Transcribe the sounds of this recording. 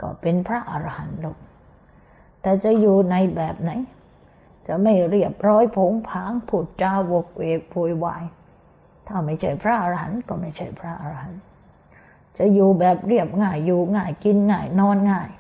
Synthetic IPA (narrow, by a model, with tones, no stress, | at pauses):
kɔ̰ː˧˥˩pe˧npʰɾa˦˥˩ʔa˧ɾa˧ha˨˦nduː˨˩k̚ | t̪ɛː˨˩t͡ɕa˨˩juː˨˩na˧jbɛː˨˩p̚na˨˦j | t͡ɕa˨˩ma˥˩jɾi˥˩əp̚ɾɔː˦˥jpʰo˨˦ŋpʰaː˨˦ŋpʰu˨˩t̪̚t͡ɕaː˧wo˨˩k̚wʔeː˨˩k̚pʰu˨˩jwa̰ː˨˧˩j | t̪ʰaː˥˩ma˥˩jt͡ɕʰa˦˥˩jpʰɾa˦˥˩ʔa˧ɾa˧ɦa̰˨˩˦nkɔː˥˩ma˥˩jt͡ɕʰa˥˩jpʰɾa˦˥˩ʔa˧ɾa˧ha˨˩˦n | t͡ɕa˨˩juː˨˩bɛː˨˩p̚ɾi˥˩əp̚ŋaː˥˩jːuː˨˩ŋaː˥˩jki˧nŋaː˥˩jnɔː˦˥nŋaː˥˩j